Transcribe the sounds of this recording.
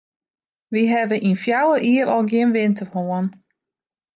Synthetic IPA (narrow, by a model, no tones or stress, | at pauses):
ʋiɦɛbəʔinfjawəʔiəɾɔlˠɡjɪənʋɪntərhoən